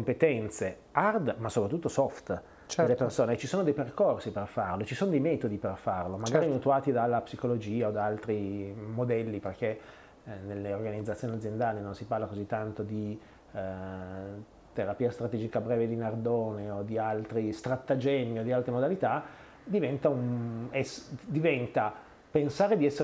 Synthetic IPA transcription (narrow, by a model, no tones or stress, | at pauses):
kompet̪ɛnt̪se | ard̪masopɾat̪ːut̪ːosɔft̪ | t͡ʃd̪elːepersoːnet͡ʃisoːnod̪ɛjperkorsiperfarlot͡ʃisoːnod̪ɛjmɛːt̪od̪iperfarlomaɡaːɾimut̪uaːt̪id̪alːapsikolod͡ʒiːaod̪aalt̪ɾimod̪ɛlːiperk̟e | nelːeorɡanid̪zat̪sjoːniad̪zːjend̪aːlinonsiparlakozit̪ːant̪od̪i | t̪eɾapiːast̪ɾat̪ɛːd͡ʒikabɾɛːved̪inard̪oːneod̪ialt̪ɾist̪ɾat̪ːad͡ʒɛnːiod̪ialt̪ɾemod̪alit̪a | d̪ivɛnt̪aunɛsd̪ivɛnt̪a | pensaːɾed̪iɛsːe